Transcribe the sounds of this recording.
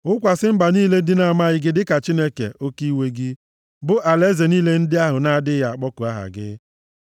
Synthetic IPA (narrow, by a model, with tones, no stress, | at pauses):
ʊ˦kʷa˨sɪ˦m̩˦ɡ͡ba˨niː˦le˦dɪ˦na˨ma˦ɣɪ˨ɡɪ˦dɪ˦ka˨t͡ʃi˦ne˦kḛ˨ʔo˦ki˦we˦ɡɪ˦ | bʊ˦ʔa˨le˦ze˨niː˦le˦n̩˦dɪ˦a˦ɦʊ˨na˦dɪ˦ja˨a˨k͡pɔ˦kʊ˨a˦ɦa̰˨ɡɪ̰˦